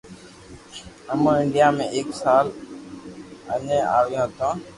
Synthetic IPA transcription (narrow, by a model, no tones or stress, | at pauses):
əmə̃ːɪɳɖɪjaːmẽːʔeːksaːl | əɲẽːaːʋijãːt̪ãː